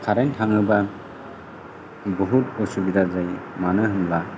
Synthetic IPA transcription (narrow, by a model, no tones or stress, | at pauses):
kʰaɾentʰaŋɯba | bɔɦutɔsubidad͡ʒajmanɯɦɯmla